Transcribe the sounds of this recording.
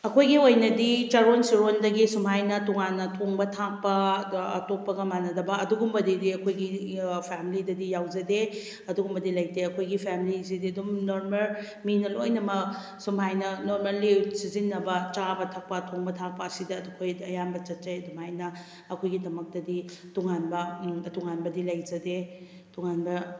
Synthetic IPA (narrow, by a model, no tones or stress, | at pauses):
ɐkʰojɡiojnɐdit͡ʃɐɾonsiɾondɐɡisumɦajnɐtɔŋanːɐtʰoŋbɐtʰak̚pɐːtok̚pɐɡɐmanɐdɐbɐɐduɡumbɐdidiɐkʰojɡipʰamilidɐdijawd͡ʒɐde | ɐduɡumbɐdilɐj̚teɐkʰojɡipʰamilis̬idiɐdumnoɾmɐl | minɐlojnɐmɐ | sumhajnɐnoɾmelːisizinːɐbɐt͡ʃabɐtʰak̚pɐtʰoŋbɐtʰak̚pɐːsidɐdukʰojɐjanbɐt͡ʃɐt̚t͡ʃejɐdumhajnɐː | kʰojɡidɐmɐk̚tɐdituŋanbɐɐtuŋanbɐdilɐjd͡ʒɐde | tuŋanbɐ